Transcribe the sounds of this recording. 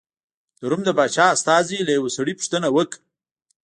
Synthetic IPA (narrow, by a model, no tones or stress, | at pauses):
d̪̥əɾumd̪əbɑt͡ʃɑːst̪ɑzilajawasaɽipʊ̥ʂt̪ənawək